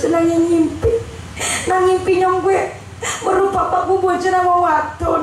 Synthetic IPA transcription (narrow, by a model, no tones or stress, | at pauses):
d͡ʒənaŋiŋimpi | naŋimpiɲɔŋɡwɛ | məɾupapaɡubod͡ʒənawawat̪ɔ